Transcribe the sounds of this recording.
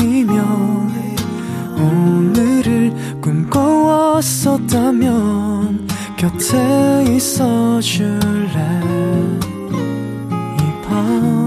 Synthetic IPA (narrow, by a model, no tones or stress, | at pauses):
imjʌn | onɯɾɯɭ | kumkowʌs͈ʌt̚t͈amjʌn | kjʌtʰeis͈ʌɕuɭːe | ipʰa